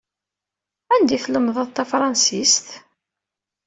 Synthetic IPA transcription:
ænd̪iθləmðˤəðˤt̪æfɾˤɑnsist̪

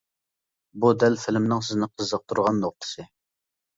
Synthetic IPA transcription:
bud̪ɛlfɪlmnɪŋsɪznɪqʰəzːəq̚t̪ʰuɾʁɑnːoχ̚t̪ʰə̥sɨ

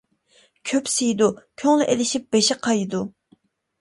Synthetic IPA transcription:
kʲʰøpsijd̪ukʲʰøŋlyʔelɪʃip̚b̥eʃɪqʰɑjd̪u

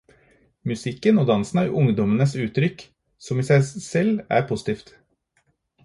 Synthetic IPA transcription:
mʉsɪkːənoːd̪ɑnsn̩ɑɾʔʊŋd̪ɔmənəsʉːt̪ɾʏk | sɔmiːsæɪsɛlːæ̰ɾpʰʊsɪ̥t̪ʰiːft̪

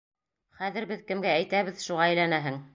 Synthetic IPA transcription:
χæðɘɾbɘðkɘ̆mɡæːjt̪æβɘðʃuʁɑæ̆jlænæɦɘŋ

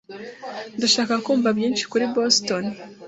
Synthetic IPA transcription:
ndaʃaːkakuːmvabjiːnʃi̥kuɾiboston

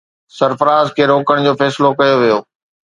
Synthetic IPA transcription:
sɐɾfəɾaːzkʰeːɾoːkəɽ̃d͡ʑoːfɛːsɪlokɐjoʋijoː

